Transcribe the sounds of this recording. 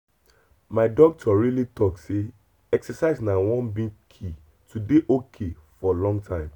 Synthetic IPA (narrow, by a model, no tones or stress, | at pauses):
maɪdɔk̚tʰɔɹilitʰɔkse | ɛksɛsaɪznawɔ̃nbĩkʰi | tʰudeʔokʰefɔlɔ̃ŋɡtʰãɪ̃m